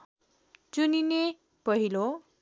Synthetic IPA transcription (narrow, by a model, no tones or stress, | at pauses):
t͡sunine | pʌɦilo